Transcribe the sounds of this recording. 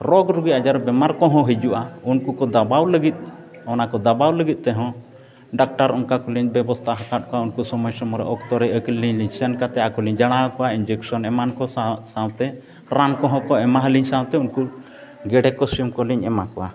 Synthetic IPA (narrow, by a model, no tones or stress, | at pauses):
ɾɔɡɾuɡiad͡ʒaɾbɛmaɾkɔɦɔ̃ɦid͡ʒuʔaunkukɔd̪abawləɡit̪̚ | ɔnakɔd̪abawləɡit̪̚ˀt̪ɛɦɔ̃ | ɖak̚ʈaɾɔnkakɔliɲbɛbɔst̪ʰaɦakat̪̚kɔaunkusɔmɔjsɔmɔɾɛ̰ʔɔkt̪ɔɾɛəkliɲliɲsɛnkat̪ɛakɔliɲd͡ʒaɽ̃akɔʔaind͡ʒɛksɔnɛmankɔsawt̪ɛ | ɾamkɔɦɔ̃kɔɛmaɦliɲsawt̪ɛunku | ɡɛɖɛkɔsjɔmkɔliɲɛmakɔʔa̰